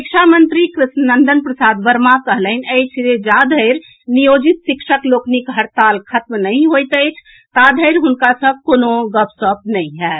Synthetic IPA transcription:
sikʃʰamənt̪ɾikɾɪsnənd̪ənpɾəsad̪ʋəɾmakəɦlənəjt͡ʃʰd͡ʒed͡ʒad̪ʱəɪɾ | nijod͡ʒit̪sikʃəkloknikɦəɾt̪alkʰət̪mnəɪ̃ɦojt̪əjt͡ʃʰ | t̪ad̪ʱəɪɾɦunkasə̃b̚konoɡəpsəp̚nəĩɦɛ

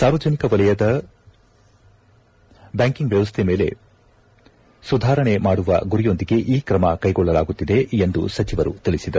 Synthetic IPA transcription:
saːɾʋɐd͡ʒɐnikɐʋɐlɐjɐd̪ɐ | bjaːŋkiŋɡʋjɐʋɐst̪ʰeme̞ːle̞̰ | sud̪ʱaːɾɐɳe̞maːɽuʋɐ̰ɡuɾijo̞nd̪iɡe̞ʔiːkɾɐmɐkɐjɡɔɭːɐlaːɡut̪ːid̪e̞end̪ṵsɐt͡ʃiʋɐɾṵt̪iɭisid̪ɐɾu

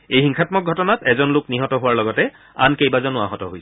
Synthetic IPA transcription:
ejhiŋxʰatmɔk̚ɡʱɔtɔnatɛzɔnlʊkniɦɔtɔɦʊwaɹlɔɡɔtɛ | a̰nkejbazɔnʊa̰ɦɔtɔɦoj

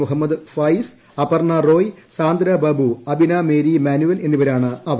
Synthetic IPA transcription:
uɦɐmːɐd̪ɨfɐjs | ɐpɐrɳɐro̞ːj | saːnd̪ɾɐbɐbuɐbinaːmeːɾimaːnuʋɐle̞nːuʋɐɾaːɳɨɐʋɐ

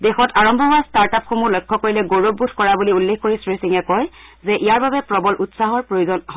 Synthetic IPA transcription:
dexɔtaɹɔmbʱɔɦastaɹtapxomulɔjkʰːɔkoɹilɛɡoɹobːutʰkɔɹabuliulːexkoɹisɹisiŋɛkɔjzɛʔijaɹbabɛpɹɔbɔlʔutsaɦɔɹpɹojozɔnɦ

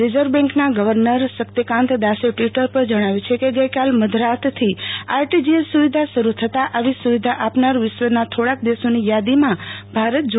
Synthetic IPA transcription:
ɾed͡ʒəɾbɛ̃ŋknaɡəʋəɾnəɾʃəkt̪ikãnt̪d̪aʃeʈʋiʈəɾpəɾd͡ʒəɽ̃aʋjut͡ʃʰekeɡəjkalməd̪ʱɾat̪t̪ʰiaɾʈid͡ʒiesuʋid̪ʱaʃəɾut̪ʰət̪aʔaʋisuʋid̪ʱaʔapnaɾʋɪʃʋənat̪ʰoɽak̚d̪eʃonijad̪imãbʱaɾət̪̚d͡ʒ

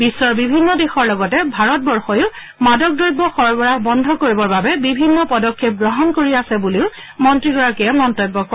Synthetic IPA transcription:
bisːɔɹbibʱinːɔdexɔɹlɔɡɔtɛbʱaɹɔt̚bɔɹxɔjʊ | madɔk̚dɔjbɔxɔɹbɔɹabɔndʱɔkoɹibɔɹbabɛbibʱinːɔpɔdɔkʰːep̚ɡɹɔɦɔnkoɹiasɛbuleʊ | mɔntɹiɡɔɹakɛmmɔntɔjbːɔkɔ

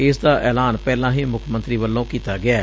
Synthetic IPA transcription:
ɪsd̪aːʔɛːlaːnpɛːlãːɦiːmʊkʰmə̃nt̪ɾiːʋəlːõːkiːt̪aːɡɪaː

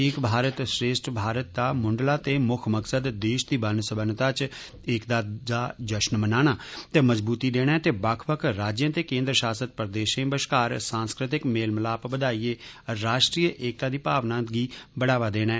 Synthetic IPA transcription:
ɪkbʱaːɾət̪sɾeːsʈbʱaːɾət̪̚d̪aːmʊɳɖlaːt̪eːmʊkʰməksəd̪d̪eːʃd̪iːbənsəbənt̪aːt͡ʃ | ɪkd̪aːd̪aːd͡ʒəʃnmənaːñaːt̪eːməzbuːt̪iːd̪eːɽ̃ɛːt̪eːbəkʰpəkʰɾaːd͡ʒjãːt̪eːkẽːnd̪ɾəʃaːsət̪̚pəɾd̪eːʃẽbəʃkaːɾsãːnskɾɪt̪ɪkmeːlmlaːpbəd̪aːiːeːɾaːʃʈɾiːəʔeːk̚t̪aːd̪iːpaːʋnãːɡiːbəɽaːʋaːd̪eːɽ̃ɛː

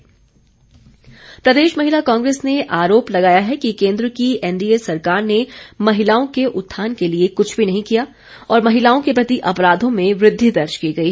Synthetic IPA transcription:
pɾɐd̪eːʃmɐɦɪlakãːŋɡɾeːsneʔaːɾoːplɐɡaːjaɦɛkikẽːnd̪ɾəkiɛnɖiesɐɾkaːɾnemɐɦɪlaːõkeʔʊt̪ʰːaːnkeliekʊt͡ʃʰbʱinɐɦĩkija | ɔːɾmɐɦɪlaːõkepɾɐt̪iʔɐpɾaːd̪ʱõmẽʋɾɪd̪ʱːid̪ɐɾt͡ʃkiːɡɐi

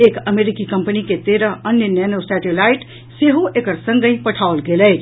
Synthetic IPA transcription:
ekəmeɾikikəmpəniket̪eɾəənjənenosɛʈelaiʈ | seɦoʔekəɾsə̃ŋɡə̃ĩpəʈʰaʊlɡeləj

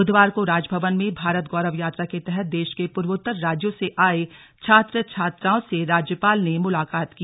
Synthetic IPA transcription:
ʊd̪ʋaːɾkoɾaːd͡ʒbʱəʋənmẽbʱaːɾət̪ɡɔːɾəʋjaːt̪ɾaket̪ɛɦɛt̪̚d̪eːʃkepʊɾʋʊt̪ːəɾːaːd͡ʒjõseʔaːe | t͡ʃʰaːt̪ɾət͡ʃʰaːt̪ɾaːõseɾaːd͡ʒjəpaːlnemʊlaːkaːt̪ki

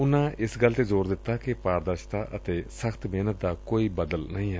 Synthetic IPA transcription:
ʊnãːɪsɡəlt̪eːzoːɾd̪ɪt̪ːaːkɪpaːɾd̪əɾʃt̪aːʔət̪eːsəkʰt̪meːnət̪̚d̪aːkoːiːbəd̪əlnəɦĩːɦɛ

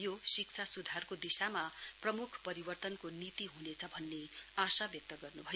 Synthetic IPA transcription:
josik̚t͡sʰasud̪ʱarkod̪isamaprʌmukʰpʌɾibʌrt̪ʌnkonit̪iɦunet͡sʰʌbʱʌnːeasabjʌk̚t̪ʌɡʌrnubʱʌj

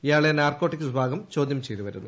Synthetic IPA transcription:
ijaːɭenaːrko̞ːʈːikʲːuʋibʱaːɡɐmt͡ɕo̞ːd̪ʱjɐmt͡ɕejt̪uʋɐɾunːṵ

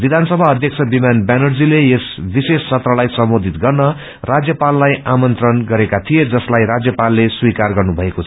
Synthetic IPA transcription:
bid̪ʱansʌbʱaʌd̪ʱjʌk̚t͡sʰʌbimanbanʌrd͡zileesbisest͡sʰʌt̪rʌlajsʌmbod̪ʱit̪ɡʌrnʌ | rad͡zjʌpalːajamʌnt̪rʌnɡʌɾekat̪ʰijed͡zʌslajɾad͡zjʌpalːeswikarɡʌrnubʱʌekot͡sʰʌ

